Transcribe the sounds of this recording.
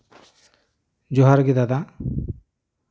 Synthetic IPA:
d͡ʒɔɦaɾɡid̪ad̪a

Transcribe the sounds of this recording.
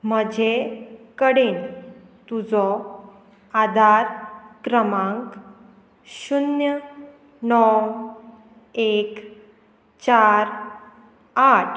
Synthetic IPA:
m̤əd͡ʑʱekəɽen | t̪ud͡zɔ | ad̪ʱaɾkɾəmãŋk | ɕunjə | nɔw | ek | t͡ɕaɾ | aʈʰ

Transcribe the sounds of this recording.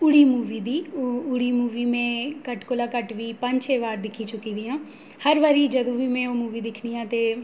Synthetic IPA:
ʊɽiːmuːʋiːd̪iːʊɽiːmuːʋiːmɛ̃ːkəʈkolaːkəʈʋiːpəɲd͡ʒt͡ʃʰeːʋaːɾd̪ɪkʰiːt͡ʃʊkiːd̪iːãː | həɾʋaːɾiːd͡ʒəd̪õːʋiːmɛ̃ːoːmuːʋiːd̪ɪkʰniːãːt̪eː

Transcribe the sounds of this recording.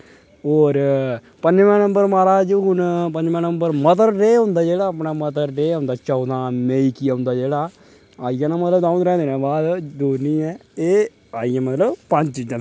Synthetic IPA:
oːɾ | pəɲd͡ʒmɛ̃ːnə̃mbəɾmaːɾaːd͡ʒɦʊnpəɲd͡ʒmɛ̃ːnəmbəɾmət̪əɾɾeːɦõʊ̃nd̪aːd͡ʒeːɽaːəpnãːmət̪əɾɾeːɦʊ̃ːnd̪aːt͡ʃɔːd̪ãːmẽːiːkiaːʊ̃nd̪aːd͡ʒeːɽaː | aːijãːnãːmət̪ləbd̪aːũɾɛ̃ːnd̪eːnɛ̃ːbaːd̪d̪oːniːɛ̃ːeː | aːijãːmət̪ləbpəɲt͡ʃd͡ʒə

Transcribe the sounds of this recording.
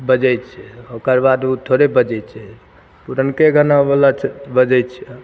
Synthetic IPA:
bəd͡ʒɛjt̪t͡ʃʰɛokəɾbad̪ut̪ʰoɾebəd͡ʒɛtt͡ʃʰɛ | puɾənkeɡʱənabelat͡ʃʰɛbəd͡ʒɛjt̪t͡ʃʰɛ

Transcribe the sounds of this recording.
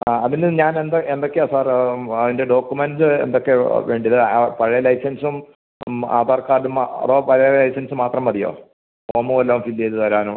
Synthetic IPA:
aːɐðinɨɲaːnend̪oend̪o̞kːeoːsaːrɐðinde̞ɖo̞ːkːumensɨḛnd̪o̞kːe̞ʋe̞ːɳɖijɐðɨpɐɻɐjɐlɐjsɐnsum | a̰ːðaːrkaːɽumɐ̰ðoːpɐɻɐjɐlɐjsɐnsɨmaːt̪rɐmʋɐðijo̰ː | oːmuːɐlːaːmfilːejt̪ɨt̪ʋɐɾaːnum

